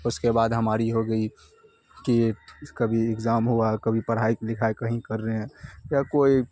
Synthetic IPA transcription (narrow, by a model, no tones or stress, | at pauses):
ʊskebaːd̪ɦəmaːɾiɦoɡəi | kikɐbʱiɪkzaːmɦuakəbʱipəɾɦaiklɪkʰaekɐɦĩkəɾːəɦɛ̃ːjakoːi